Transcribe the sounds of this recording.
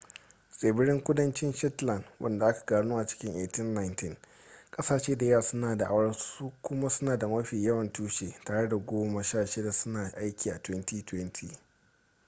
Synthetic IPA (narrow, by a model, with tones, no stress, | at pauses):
sʼeː˨bɪ˦ɽɪ˦ŋkʷʊ˦dɐ˦nt͡ʃɪ˦nʃɛ˦tlɐ˨nwʔɐ̰˦nda˨ʔa˦kḁ˨ɡaː˨nuː˦ʔa˨t͡ʃɪ̥˦kʲɪ˦ŋʔeː˨tɪ˦nːa˦jntɪ˦˨ŋ | kʼɐ˦saː˨ʃeː˦da˨jaː˦˨sʊ˦naː˨da˨ʔa̰˦wɽɐ˦suː˦kʷʊ˦ma˦sʊ˦naː˨da˨mɐ˦ɸiː˨jɐ˦wɐ˨ntuː˦ʃeː˨taː˨ɽe˦da˨ɡʷoː˦mɐ˨ʃaː˦˨ʃɪ˦da˨sʊ˦naː˨ʔa˦jkʲʰiː˨ʔa˨twɛ˦ntiː˦twɛ˦ntʰiː˨